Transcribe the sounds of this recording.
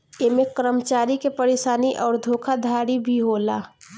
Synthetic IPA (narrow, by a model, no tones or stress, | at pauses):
emẽkɾəmət͡ʃaːɾikepəɾeːʃaːniʔɔːɾd̪ʱoːkʰad̪ʱaːɽibʱiɦoːla̰ː